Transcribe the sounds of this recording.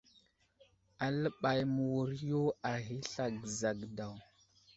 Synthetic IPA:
a˨lə˦ɓa˨jmu˨wu˨ɾi˦jo˦a˨ɣi˦ɬa˨ɡza˨ɡda˨w

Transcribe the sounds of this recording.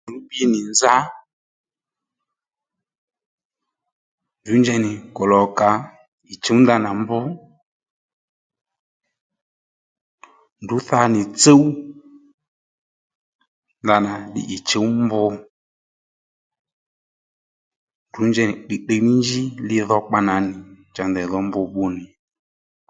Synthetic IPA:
ndu˨˦bi˧˦nɪ˨nza˦ | ndu˨˦nd͡ʒɛ˧nɪ˨kɔ˨lɔ˨ka˨ | i˨t͡ʃe˨˦wnda˧na˨mbʊ˦ | ndu˨˦θa˧nɪ˨t͡se˦w | nda˧na˨ɗɪ̰˨ʔi˨t͡ʃe˨˦wmbʊ˧ | ndu˨˦ɲd͡ʒɛ˧˨nɪ˨ɗi˨ɗe˧mi˦nd͡ʒi˦lɪ˦ðɔ˧k͡pa˧na˨nɪ˨ | t͡ʃa˨ndɛ˨ðɔ˨˦mbʊ˧ɓu˧nɪ˨

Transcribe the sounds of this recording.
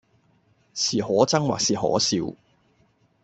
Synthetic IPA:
siː˨˩hɔː˨˥t͡sɐ˥ŋwa̰ː˨k̚siː˨˩ɦɔ̰ː˨˥siː˧w

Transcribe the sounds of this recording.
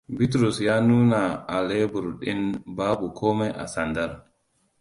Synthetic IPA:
bi˦tɾu˨sja˦nuː˦na˨a˨le˦bu˨ɾɗi˦nbaː˦bu˨kʰɔː˦mɛʔa̰˨sanda˦ɾ

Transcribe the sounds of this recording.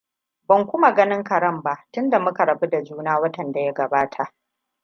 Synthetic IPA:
bɐ˨ŋkʷʊ˦ma˨ɡɐ˦nɪ˦ŋkɐ˨ɾɐ˦mba˨ʔtʊ˦nda˨mʊ˦ka˨ɾɐ˨bu˦da˨d͡ʒuː˦naː˦wɐ˦tɐ˨nda˨ja˦ɡɐ˨baː˦tʰa˨ʔ

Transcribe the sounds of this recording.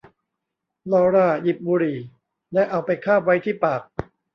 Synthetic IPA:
lɔː˧ɾaː˥˩ji˨˩p̚buː˧ɾiː˨˩ | lɛ˦˥ʔa˧wpa˧jkʰaː˥˩p̚wa˦˥jt̪ʰiː˥˩paː˨˩k̚

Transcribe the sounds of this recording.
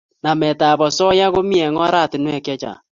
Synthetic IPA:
na˨mɛ˨taː˨bɔ˨sɔ˦ja˦ɣo˦mi˦ɛ˨ŋɔ˦ɾa˦˨tɪ˨nwɛ˨kjɛ˦t͡ʃa̰˨

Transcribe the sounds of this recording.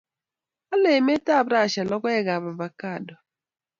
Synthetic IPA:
a˦le˨me˦ta˦˨bɾa˦˨ʃa˨lɔ˦kɔ˦ɛ˦ɡa˨ba˨va˨ka˦˨dɔ˨

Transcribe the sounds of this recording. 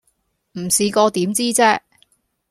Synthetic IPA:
m̩˨˩siː˨˧kɔː˧t̪iː˨˥mt͡siː˥t͡sɛː˥

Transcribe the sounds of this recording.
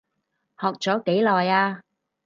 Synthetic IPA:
hɔː˨k̚t͡sɔː˨˥ke˨˥jlɔː˨jaː˧

